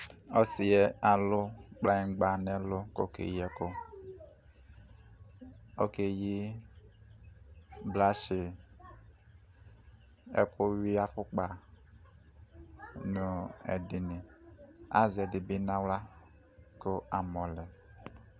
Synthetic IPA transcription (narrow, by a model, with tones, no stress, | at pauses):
o˦si˨je˦a˨lʊ˦k͡pla˨i˨˦ɡ͡ba˨ne˦lʊ˦ko̰˦kḛ˨ji˦e˦kʊ˦ | o̰˦ke˨ji˦ | bla˦ʃi˨ | ɛ̰˨ku˦wi˦a˦fu˦k͡pa˨ | nu˨ɛ̰˨di˨ni˨ | a̰˦ze˨di˨bi˦na˦wla˦ | ko˦a˨mɔ˨lɛ˨